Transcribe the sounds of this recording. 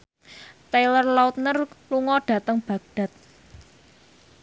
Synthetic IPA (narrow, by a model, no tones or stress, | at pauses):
t̪elərlaut̪̚nərluŋɔɖ̥ä̤t̪əŋb̥ä̤ɡ̚ɖ̥a̤t̪̚